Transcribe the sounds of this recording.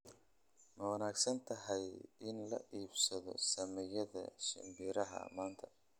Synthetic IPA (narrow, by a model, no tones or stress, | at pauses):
mɛwɑnaːɡsɐnt̪ʰɐɦɛjɪnlɐ̰ʔiːbsɐðɔ̰sɐmɛjɐðɐ̰ʃɪ̰mbiːɾɐɦɐ̰maːnt̪ʰɐ